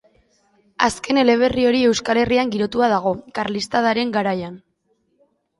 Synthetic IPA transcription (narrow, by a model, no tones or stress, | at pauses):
a̰ske̞ne̞le̞β̞e̞rio̞ɾie̞wskale̞riaŋɡiɾo̞t̪uað̞aɣ̞o̞kaɾlist̪að̞aɾe̞ŋɡaɾajan